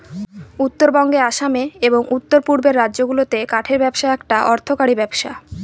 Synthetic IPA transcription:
ut̪ːoɾbɔŋɡeaʃameeboŋut̪ːoɾpuɾbeɾːadːʑd͡ʑoɡulot̪ekaʈʰeɾbɛbʃaɛkʈaʔɔɾt̪ʰokaɽibɛbʃa

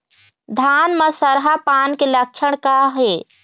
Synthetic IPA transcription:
d̪ʱaːnməsəɾɦapaːnkelək̚t͡ʃʰəɽ̃kaɦe

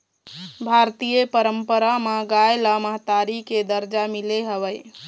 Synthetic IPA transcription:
bʱaɾt̪ijepəɾəmpəɾamaɡajləməɦt̪aɾiked̪əɾd͡ʒamileɦəβəj

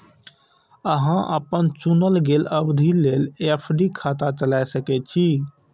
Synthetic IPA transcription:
əɦãʔə̰pənt͡ʃunəlɡeləbd̪ʱilelepʰɖikʰat̪at͡ʃəlajsəkɛt͡ʃʰi

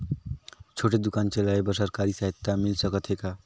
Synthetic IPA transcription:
t͡ʃʰoʈed̪ukant͡ʃelaebʌsaɾkaɾisaet̪ːamilsʌkʌt̪ʰeka

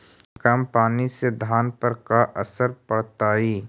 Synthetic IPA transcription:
kampaːnised̪ʱaːnpəɾkaʔəsəɾpəɽt̪aːiː

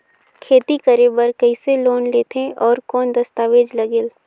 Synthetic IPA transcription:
kʰeːt̪ikəɾebəɾkɐɪseloːnleːt̪ʰẽʔɔːɾkɔːnd̪ɐst̪aːʋeːd͡ʒlɐɡeːl

